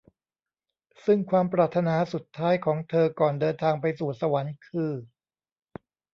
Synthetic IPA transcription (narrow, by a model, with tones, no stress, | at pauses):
sɯ˥˩ŋkʰwaː˧mpɾaː˨˩t̪ʰːa˧naː˧su˨˩t̪ʰːaː˦˥jkʰɔː˩˦ŋt̪ʰɤː˧kɔː˨˩ndɤː˧nt̪ʰaː˧ŋpa˧jsuː˨˩sa˧wa˩˦nkʰɯː˧